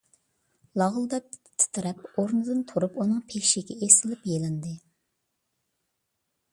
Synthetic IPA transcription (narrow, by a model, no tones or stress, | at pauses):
lˠɑʁlˠd̪ɛp̪̚t̪ʰɨ̥t̪ʰɨɾɛpoɾnɨd̪ɨnt̪ʰoɾupunɨŋpʰekʲʃiɡʲɛesɪlɪpjelɪnd̪ɨ